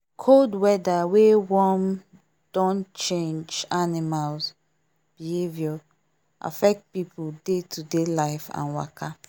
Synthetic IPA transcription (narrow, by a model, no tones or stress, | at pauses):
kʰodwɛdawewɔm | d̥ɔ̃nt͡ʃẽnd͡ʒanimalz | b̥ihevjɔ | ʔa̰fɛk̚t̚pipudetʰudelaɪfã̰nwa̰kʰa